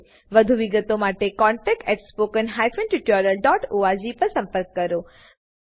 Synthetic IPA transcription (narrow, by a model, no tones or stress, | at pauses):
ʋəd̪ʱuʋiɡət̪omaʈekɔɳʈɛk̚ʈɛʈspokənɦajfənʈɾɪʈɔɾəlɖɔʈoad͡ʒipəɾsə̃mpəɾkːəɾo